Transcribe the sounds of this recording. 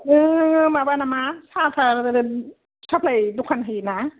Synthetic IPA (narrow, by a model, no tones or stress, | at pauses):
ʔɯːmabanamasʰaːtʰa | sʰap̚ladukʰanɦana